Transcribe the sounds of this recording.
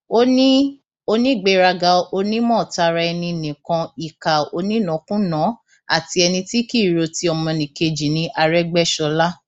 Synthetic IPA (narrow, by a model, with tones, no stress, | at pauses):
o˧nĩ˦ | o˧nĩ˦˨ɡ͡be˧˨ɾa˧ɡa˧o˧nĩ˦mɔ̃ː˦˨ta˧ɾa˧ɛ˧nĩ˧˨nĩ˨kã˧i˨ka˨o˧nĩ˦nɔ̃˨˦kũ˦nɔ̃˨˦ | a̰˦˨ti˧ɛ˧nĩ˧ti˦ki˦˨ɾo˧ti˧˦ɔ˧mɔ̃˧nĩ˨ke˧d͡ʒi˨nĩ˧ʔa˧ɾɛ˦ɡ͡bɛ˦˨ʃɔ˧la˦